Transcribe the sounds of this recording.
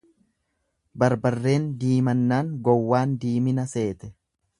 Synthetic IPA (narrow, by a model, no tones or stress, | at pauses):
bɐɾbɐrːe̞ːnd̪iːmɐnːaːŋɡɔwːaːnd̪iːmɪnɐse̞ːt̪ɛ̥